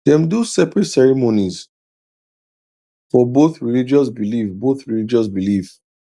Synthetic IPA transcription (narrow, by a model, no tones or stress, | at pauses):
dɛ̃mdusɛpɹɛtsɛɹimonis | fɔboθɹilid͡ʒɔs̬bilifboθɹilid͡ʒɔs̬bilif